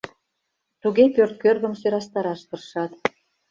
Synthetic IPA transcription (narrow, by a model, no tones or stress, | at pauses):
t̪uɣepørt̪̚kørɣə̆msøɾɑst̪ɑɾɑʃt̪ɤ̆rʃɑt̪